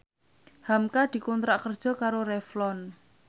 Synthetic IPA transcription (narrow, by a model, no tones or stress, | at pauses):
hamkad̪̥i̤kunt̪ɾaʔkərd̥ʒ̥ɔ̤kaɾoɾɛflɔn